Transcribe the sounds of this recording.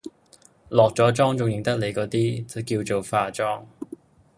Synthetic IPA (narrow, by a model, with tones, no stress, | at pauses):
lɔː˨k̚t͡sɔː˨˥t͡sɔː˥ŋt͡sʊ˨ŋjɪ˨˩ŋt̪ɐ˥k̚le˨˧jkɔː˧t̪iː˥t͡sɐ˨˧˩kiː˧wt͡so˨˩wfaː˨˧t͡ʃɔː˥ŋ